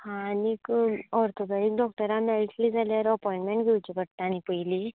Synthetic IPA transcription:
hãnikɔɾt̪ʰobaɽiːk̚ɖɔk̚ʈəɾamaliʈlid͡zaljaɾəpɔjĩɳʈmeɳʈɡʱewt͡ɕikəɽt̪aːnipəjli

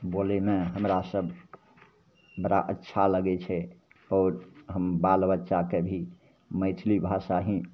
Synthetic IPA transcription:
bolemeɦəmɾasəbʱ | bəɾa̰ʔətːʃʰaləɡɛt͡ʃʰɛ | ɔːɾɦəmbalbətːʃakebʱi | məɪt̪ʰlibʱasaɦĩ

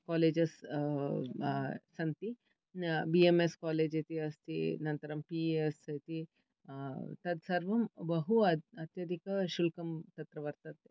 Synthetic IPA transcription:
kaːleːd͡ʒɐs | ɐnt̪i | biemeskaːleːd͡ʒɐt̪iɐst̪ḭnɐnt̪ɐɾɐmpiːesɐt̪i | t̪ɐd̪sɐɾʋɐmbɐɦuɐɐt̪jɐd̪ikɐʃulkɐmt̪ɐt̪ɾɐʋɐɾt̪ɐt̪ːe

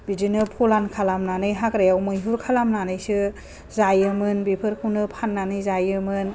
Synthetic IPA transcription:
bid͡ʒinɯpʰɔlankʰalamnanɯjɦakɾajawmɯjɦuɾkʰalamnanɯjsɯ | zajɯmɯnbipʰɯɾkʰuwnɯpʰanːanɯjzajɯmɯn

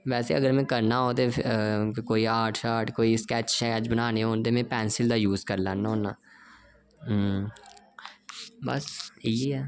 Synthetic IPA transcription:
ʋɛːsḛəɡəɾmɛ̃ːkəɾnaɦot̪e | koːiaːʈʰʃaːʈkoːiskɛːt͡ʃʃɛːəd͡ʒbənaːneɦõːnd̪emẽːpɛːnsɪld̪aːjuːzkəɾlãːnːaɦoːnaː | bə̰siɛː

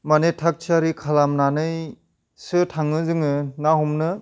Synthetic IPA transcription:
manetʰak̚t͡ʃʰaɾikʰalamnanɯj | sɯtʰaŋɯzɯŋɯnaɦumnɯ

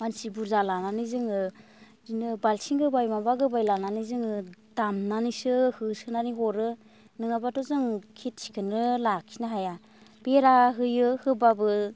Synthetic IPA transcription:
mansibuɾzalananɯzɯŋɯ | zinɯbalsiŋɡɯbajmabaɡɯbajlananɯzɯŋɯdamnanisɯhɯsɯnaniɦɔɾɯ | nɯŋabatɔzɯŋkʰit̚sʰi̥kʰɯnɯlakʰi̥naɦaja | b̥eɾaɦɯjɯhɯbabɯ

